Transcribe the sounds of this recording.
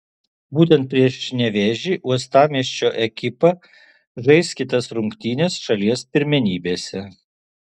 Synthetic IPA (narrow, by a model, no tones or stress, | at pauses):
buːt̪ʲɛnt̪̚pʲɾʲiɛʃnʲɛʋʲɛːʒʲiːʔuɔst̪ɑːmʲiɛʃʲt͡ʃʲoːʔɛkʲɪpɐ | ʒɐɪsʲkʲit̪ɐsɾʊŋʲkt̪ʲiːnʲeːsʃɐlʲiɛspʲɪɾʲmʲɛnʲiːbʲeːsʲɛ